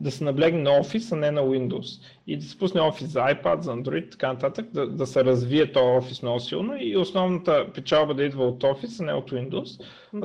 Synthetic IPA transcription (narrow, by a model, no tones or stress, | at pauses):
d̪ɐsɛnɐblɛɡnɛnɐɔfisɐnɛnɐwind̪os | id̪ɐsɛ̥pusnɛɔfiszɐajpa̰d̪zɐːnd̪ɾoit̪t̪ɐ̥kanɐt̪at̪əkd̪ɐd̪ɐsɛɾɐzviɛt̪ɔjɔfisnɔɡʊsilˠnoiosnɔvnət̪əpɛt͡ʃalˠbəd̪ɐid̪vɐot̪ɔfisɐnɛ̰ot̪wind̪os